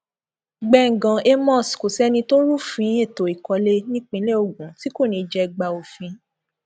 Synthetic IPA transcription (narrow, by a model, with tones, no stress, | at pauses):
ɡ͡bɛ˧˨ŋ̩˨ɡã˨e˧mɔ̃˦˨sko˨sɛ˦nĩ˧to˦ɾu˦fĩ˨˦e˦˨to˨i˨kɔ˧le˦nĩ˦k͡pĩ˧˦le˦o˨ɡũ˨˦ti˦ko˦˨nĩ˧d͡ʒɛ˧ɡ͡ba˧o˨fĩ˧˦